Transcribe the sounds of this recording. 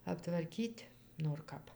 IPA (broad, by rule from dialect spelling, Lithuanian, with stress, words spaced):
ɐptʋɐrʲˈkʲiːtʲ noːr ˈkɐp